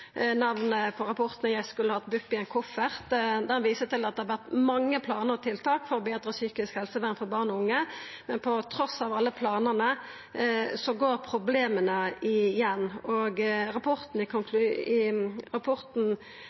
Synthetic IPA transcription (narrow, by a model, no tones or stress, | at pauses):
nɑʋnəpʰɔɾɑpʰɔʁt̪nəjæɪskʉlːəhɑt̪̚bʉpːɪɛnkʰʊfəʁd̪ɛʋiːsət̪ɪlːɑt̪d̪ɛhɑɾʋæʁt̪mɑŋːəpʰlɑːnəʁɔt̪ʰɪlt̪ʰɑːkfɔɾɔbeːd̪ɾəsyːkɪskhɛlsəʋænfɔbɑːʁnɔʊŋːəmɛnpʰɔt̪ʰɾɔsɑʋɑlːəpʰlɑːnənə | sɔɡoːɾpʰɾʊbleːmənəɪjɛnːɔɡɾɑpʰɔʁt̪n̩ɪkʰʊŋkʰlʉɪʁɑpʰɔʁt̪n̩